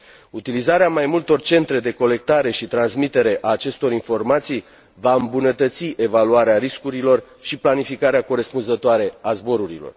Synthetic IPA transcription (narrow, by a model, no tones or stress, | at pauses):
ut̪ilizaɾeamajmult̪o̞rt͡ʃe̞nt̪ɾe̞d̪e̞ko̞le̞k̚t̪aɾe̞ʃit̪ɾansmit̪e̞ɾe̞ʔaːt͡ʃe̞st̪o̞ɾinfo̞rmat̪sij | vaɨmbunət̪ət̪siʔe̞valuaɾeaɾiskuɾilo̞r | ʃiplanifikaɾeako̞ɾespunzət̪oaɾe̞azbo̞ɾuɾilo̞̰r